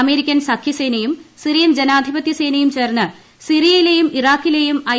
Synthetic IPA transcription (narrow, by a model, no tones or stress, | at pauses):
ɐme̞ːɾikʲːɐnsɐkʰːise̞ːnɐjumsirijɐmd͡ʑenaːd̪ʱibɐt̪jɐse̞ːnɐjumt͡ɕe̞ːrnːɨ | sirijɐjilejumiraːkːile̞jumɐ